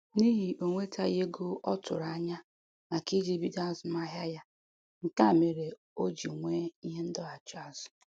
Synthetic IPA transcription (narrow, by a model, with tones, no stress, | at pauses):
ni˦ɦi˨ʔo˨ŋʷe˦tʰa˦je˦ɡʊ˦ɔ˦tʊ̰˨ɾa˨a˦ɲa˦ | ma˨ki˦d͡ʒi˦bi˦da˦zʊ˨ma˦ɦja˦ja˦ | ŋ̩˨ka˦˨me˨ɾe˨ | o˦d͡ʒi˨ŋʷe˦i˦ɦe˦n̩˦dɔ˦a˨t͡ʃa˦˨zʊ̥˨